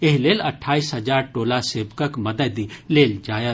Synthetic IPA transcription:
eɦileːlɐʈʰaːisɦɐd͡ʒaːɾʈoːlaseːbkəkmɐd̪əd̪ileːld͡ʒaːjə

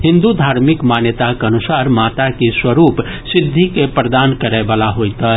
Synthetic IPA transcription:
ɦɪ̃nd̪ud̪ʱaːɾmɪkmanjət̪akeənusaːɾmaːt̪akiswəɾuːpsɪd̪ʱːikepɾəd̪aːnkəɾəbaːlaɦojt̪ə

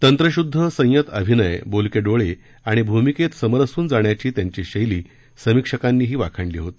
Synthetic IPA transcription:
t̪ənt̪ɾəɕud̪ʱːəsə̃j̃jət̪ə̰bʱinəjbolkeɖoɭe | aɽ̃ibʱumiket̪səməɾəsuːnd͡zaɳjat͡ɕiːt̪jaɲt͡ɕiɕəjliː | səmikʂəkanːiːɦiːʋakʰəɳɖliːɦot̪i̥

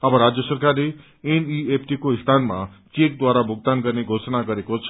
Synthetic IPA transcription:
abãɾad͡ʒjəsəɾkaɾe | eniepʰʈikoist̪ʰanmã̰ | t͡ʃek̚d̪ʋaɾabʱoɡ̚t̪ankəɾneɡʱosnakəɾekot͡ʃʰ

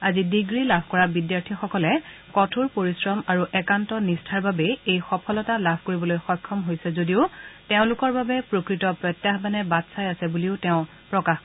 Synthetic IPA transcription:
azidiɡɹilabʱkɔɹabidjaɹtʰixɔkɔlɛkɔtʰuɹpoɹisɹɔmaɹuʔɛkantɔnistʰaɹbabɛejxɔpʰɔlɔtalabʱkoɹibɔlojxɔjkʰːɔmɦojsɛzodiʊteʊ̃lʊkɔɹbabɛpɹokɹitɔpɹɔtjaxbanɛbatsajasɛbuliʊtɛʊ̃ | pɹɔkax

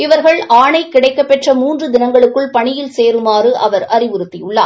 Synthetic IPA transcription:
ɪʋɐɾɣɐɭʔaːɳɐɪkːɪɽɐɪkːɐpːɛʈrɐmuːndrɯd̪ɪnɐŋɡɐɭɯkːɯɭpɐɳɪjɪlseːɾɯmaːrɯʔɐʋɐɾɐrɪʋɯɾɯt̪ːɪjɯɭːa̰ː

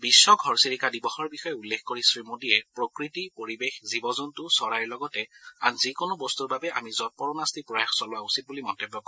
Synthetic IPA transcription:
bisːɔɡʱɔɹsiɹikadibɔxɔɹbixɔjɛulːexʰkoɹisɹimodijɛpɹokɹitipoɹibexzibɔzɔntʊsɔɹajɹlɔɡɔtɛa̰nzikonʊbɔstuɹbabɛʔa̰mizɔt̚pɔɹɔnastipɹɔjaxsɔlʊwausit̚bulimɔntebːɔkɔ̃

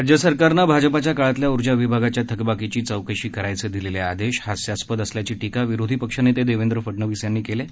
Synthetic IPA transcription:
ɾd͡ʑjəsəɾkaɾnabʱad͡ʑəpat͡ɕjakaɭat̪ljauɾd͡ʑaʋibʱaɡat͡ɕjat̪ʰəkbakit͡ɕiːt͡səwkəɕiːkəɾajt͡sed̪ilelead̪eɕhasjaspəd̪əsljat͡ɕiːʈikaʋiɾod̪ʱipəkʂanːeːt̪ed̪eʋend̪ɾəfəʈɳəʋisjanːiːkele

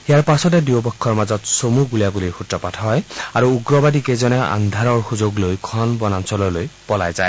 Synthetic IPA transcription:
ijaɹpasɔt̬ɛdiobɔkʰːɔɹmazɔtsomuɡuliaɡuliɹxutɹɔpatʰɦɔjaɹuːɡɹɔbadikejzɔnɛʔa̰nd̪ʱaɹɔɹxuzoɡlojkʰɔnbɔnansɔlɔlojpɔlajzaj

